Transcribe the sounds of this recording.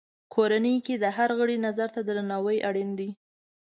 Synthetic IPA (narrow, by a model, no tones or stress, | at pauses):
kʰoɾanəjked̪əɦaɾɣəɽinazaɾt̪ad̪əɾanɑwəjʔaɽind̪i